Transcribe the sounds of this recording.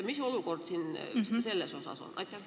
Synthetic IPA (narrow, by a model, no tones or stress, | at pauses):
misoluˑkort̪sinselːæsosɑ̰so̰nɑ̰it̪ːɑ